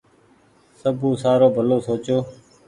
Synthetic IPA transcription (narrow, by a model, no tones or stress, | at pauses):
səbũːsaːɾoːbʱəloːsoːt͡ʃoː